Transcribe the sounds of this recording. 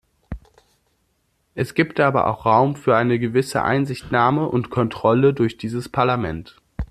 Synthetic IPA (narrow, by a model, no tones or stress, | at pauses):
ʔɛsɡ̥iːptʔaːbɐ̰ʔa̰ʊxʁ̥aʊmfyːɐʔaɪnəɡəvɪsə̰ʔa̰ɪnzɪçtnaːməʔʊntkʰɔntʁ̥ɔlədʊɐçd̥iːzəspʰaɐlamɛ̰nt